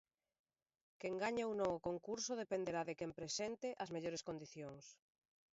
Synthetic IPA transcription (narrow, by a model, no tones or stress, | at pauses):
keŋɡaɲaunõŋʊkoŋkuɾsʊð̞epend̪eɾaðekempɾesɛnt̪ɪʔɐzmeʎoɾeskond̪iθjoŋs